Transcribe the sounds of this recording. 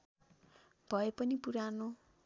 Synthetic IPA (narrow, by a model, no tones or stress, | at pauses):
b̥ʱʌepʌnipuɾano